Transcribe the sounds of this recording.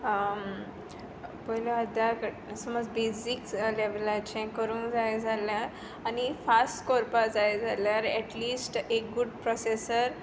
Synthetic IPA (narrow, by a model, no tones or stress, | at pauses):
pɔɦlaəd̪jak | səmɔt͡sbesikleʋəlat͡ɕɛ̃kəɾũːnd͡zajd͡zʱaljaɾ | anifasʈkɔɾpad͡zajd͡zʱaljaɾɛʈlisʈek̚ɡuɖpɾɔsesəɾ